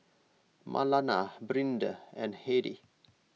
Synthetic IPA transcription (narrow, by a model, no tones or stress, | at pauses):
mʔa̰lanabɾĩndəɛ̃nheɾḭ